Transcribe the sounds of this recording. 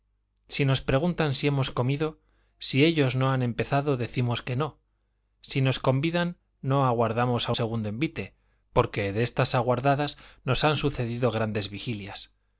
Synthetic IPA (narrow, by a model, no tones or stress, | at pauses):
sino̞spɾe̞ɣ̞unt̪ansie̞mo̞sko̞miðo̞ | sie̞ʎo̞zno̞anẽ̞mpe̞θaðo̞ðe̞θimo̞ske̞no̞ | sino̞sko̞mbiðanː | o̞aɣwaɾðamo̞sase̞ɣ̞und̪oembit̪e̞ | po̞ɾke̞ðest̪asaɣ̞waɾðaðasno̞sansuθe̞ðiðo̞ɣ̞ɾand̪e̞zβixiljas